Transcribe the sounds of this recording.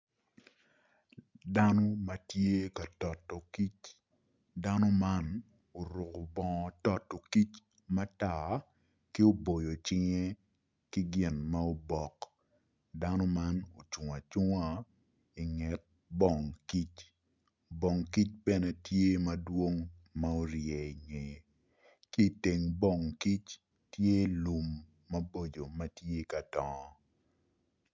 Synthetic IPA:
da˦no˦mɐ˨˦tje˦ka˨tɔ˨tːɔ˨ki˦t͡ʃ | da˦no˦ma˦n | o˨ɾʊ˨ko˨bɔ˨ŋɔ˨tɔ˨tːɔ˨ki˦t͡ʃ | ma˦ta˨ | ki˦o˦bo˨jo˨t͡ʃɪ˦ŋe˦ | kɪ˦ɡɪ˨nma˦o˦bɔ˨k | da˦nɔ˦ma˦no˨t͡ʃu˨ŋa˨t͡ʃu˦ŋa˦ | i˨ŋɛ˨t̚ | bɔ˦˨ŋki˦t͡ʃ | bɔ˨ŋki˦t͡ʃ̚bɛ˦nɛ˦tje˦mɐ˦dwo˦ŋ | ma˦o˦ɾjɛ˨ɲe˨ | ki˦i˨te˨ŋbɔ˨ŋki˦t͡ʃ | tje˦lu˨mː | ɐ˦bo˦d͡ʒo˨mɐ˦tje˦ka˨tɔ˨˦

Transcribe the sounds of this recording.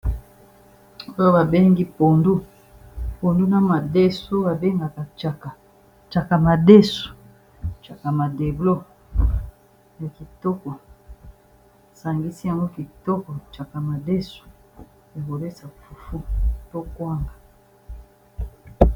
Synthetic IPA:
o˦jo˦ba˨be˦ŋɡi˦po˨ndu˦ | po˨ndu˦na˨ma˨de˦so˦ba˨be˦ŋɡa˨ka˨t͡ʃa˨ka˨ | t͡ʃa˨ka˨ma˨de˦su̥˨ | t͡ʃa˨ka˨ma˨de˨blo˦ | na˨ki˨tɔ˦kɔ˨ | sa˨ŋɡi˦si˦ja˨ŋɡo˦ki˨tɔ˦kɔ˨t͡ʃa˨ka˨ma˨de˦su̥˨ | ja˨ko˨le˦sa˨fu˨fu˦to˦kwa˦ŋɡa˨

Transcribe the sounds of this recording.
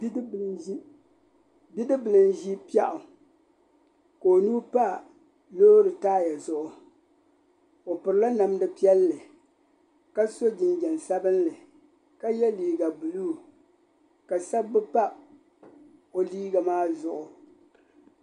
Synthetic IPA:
i˦ | bi˦dɨ˦bɨ˨lɨ˨nʒi˦pi˦ɛ˦ʔʊ˨ | ko˨o˨nuː˦pa˦˨ | loː˦ɾɨ˨taː˦ja˨zʊ˨ʔʊ˨ | o˨pɨ˨ɾɨ˨la˦na˨mdɨ˦pi˦ɛ˦lːɨ˨ | ka˦so˦d͡ʒɪ˨nd͡ʒɛ˨n˨sa˦bɨ˦nlɨ˨ | ka˦jɛ˦liː˨ɡa˨bu˨luː˦ | ka˨sa˦bbːɨ˦pa˦ | o˨liː˦ɡa˨maː˦zʊ˨ʔʊ˨

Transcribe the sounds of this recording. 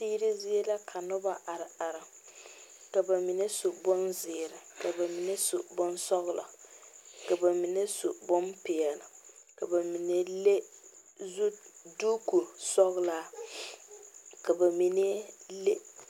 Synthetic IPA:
tiː˦ɾɪ˦zɪ˦e˦la˦kʰa˨nʊ˦ba˦ʔa˨ɾɪ˨a˨ɾɪ˨ | ka˨ba˨mi˨ne˦sʊ˨bɔ˦nzɪ˨ɾɪ˨ka˨ba˨mi˨ne˦sʊ˨bɔ˦nsɔ˦ɣla̰˨ | ka˨ba˨mi˨ne˦sʊ˨bɔ˦npɪ˨ɛ˨lɪ˨ka˨ba˨mi˨ne˦le˦ | zu˦duː˦ku˨sɔ˦ɣla˦ | ka˨ba˨mi˨ne˦le˦

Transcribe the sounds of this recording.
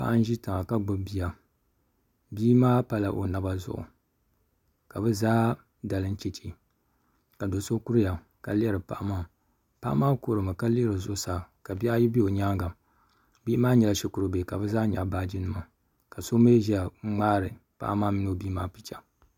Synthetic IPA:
pa̰˦˨ʔa˦n˦ʒi˦tɨ˨ŋa˨ka˦ɡ͡bɨ˦bi˨ja˨ | biː˦maː˦pa˦la˨ʔo̰˨na˦ba˦zʊ̰˨ʔʊ̰˨ | ka˨bɨ˦zaː˦ | da˨lɨ˦n̩˦t͡ʃe˨t͡ʃi˦˨ | ka˨do˨˦so˦ku˦ɾɨ˦ja˨ | ka˨li˦ɛ˦ɾɨ˨pa̰˨ʔa˦maː˦˨ | pa̰˦ʔa̰˦maː˦ko˦˨ɾɨ˨mɨ˨ka˦li˦ɛ˦ɾɨ˨zʊ˦ʊ˦saː˨ka˨bi˦a˦ji˦bi˦o˨ɲaː˦ŋɡa˨ | bi˦ʔmaː˦ɲɛ˨la˨˦ʃi˦ku˨ɾɨ˨be˨ka˨bɨ˦zaː˦ɲa̰˨baː˦d͡ʒi˦nɨ˨ma˨ | ka˨so˦me˦ʒi˦a˨˦ŋ͡maː˦ɾɨ˨pa̰˦ʔa˦maː˦mi˦no˦˨biː˦maː˦pi˨t͡ʃa˨

